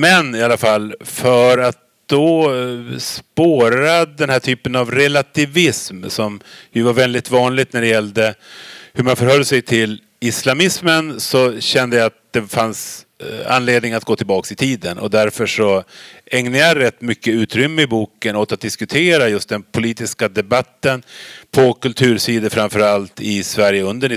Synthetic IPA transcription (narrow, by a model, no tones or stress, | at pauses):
mɛnɪalːafalːfœɾat̪̚d̪̥ɔ | spoːɾad̪ɛnhæːʈʰyːpənavɾɛlat̪ʰɪvɪsmsɔmjɵvaɾvɛld̪ɪt̪vɑːnlɪɡt̪næɖɛjɛld̪əhɵmanfœɾhœlːsɛjt̪ʰɪl | ɪslamɪsmənsɔɕɛnd̪əjaat̪̚d̪̥ɛfans | a̰nleːd̪nɪŋnat̪ɡoːt̪ʰɪlbɑːksɪt̪ʰiːd̪ənɔ̰d̪æɾfœʂɔɛŋnəjajɾɛt̪ːmʏkːəʉ̟ːt̪ɾʏmːəɪbuːkənoːt̪at̪̚d̪ɪskɵt̪ʰeːɾajɵst̪̚d̪ɛnpʰʊliːt̪ɪskad̪ɛbat̪ːənpʰɔkɵlt̪ʰʉ̟ːɾsiːd̪əfɾamfœɾalt̪ɪsvæɾjəɵnd̪əɳɪ